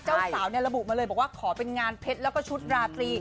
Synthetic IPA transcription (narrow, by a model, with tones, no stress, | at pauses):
t͡ɕt͡ɕaː˥˩saː˩˦wni˥˩ɐɾa˧bu˨˩ʔmaː˧lːjbɔː˨˩waː˥˩kʰɔː˩˦pe˧nŋaː˧npʰe˦˥t̪̚lɛː˦˥wkɔː˥˩t͡ɕʰu˦˥t̪̚ɾaː˧kliː˧